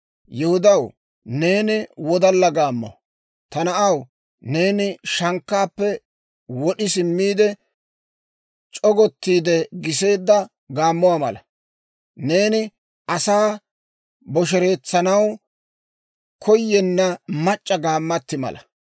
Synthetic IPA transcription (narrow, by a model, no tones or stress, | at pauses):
jɛhʊd̪ɐw | ne̞ːnɪwɔd̪ɐlːɐɡaːmːɔ̰ | t̪ɐnɐʔɐw | ne̞ːnɪʃɐŋkːaːpːɛ | wɔɗɪsɪmːiːd̪ɛ | t͡ʃʼɔɡɔt̪ːiːd̪ɛɡɪs̬e̞ːd̪ːɐ | ɡaːmːʊwaːmɐ̰lɐ | ne̞ːnɪ | ʔɐsaː | bɔʃ̬ɛɾe̞ːt͡sːɐnɐw | kʰɔjːɛnːɐmɐt͡ʃʼːɐɡaːmːɐt̪ːɪmɐ̰lɐ